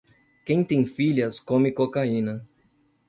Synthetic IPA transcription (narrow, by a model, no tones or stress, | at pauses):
kẽj̃t̪ẽj̃fiʎɐskõmɪkokaĩnɐ